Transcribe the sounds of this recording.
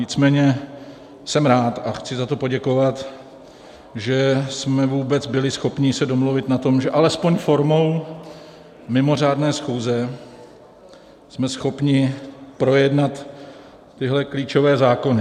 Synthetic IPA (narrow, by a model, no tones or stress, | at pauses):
ɲɪt͡smɛːɲɛ | sɛmɾaːt̪axt͡sɪzat̪o̞po̞ɟɛko̞vat̪ | ʒɛsmɛvuːbɛt͡sbɪlɪsxo̞pɲɪsɛdo̞mluvɪt̪nat̪o̞mʒɛʔalɛspo̞ɲfo̞ɾmo̞w | mɪmo̞r̝aːdnɛːsxuːzɛ | smɛsxo̞pɲɪpɾo̞jɛdnat̪ː | ɪɦlɛkliːt͡ʃo̞vɛːzaːko̞nɪ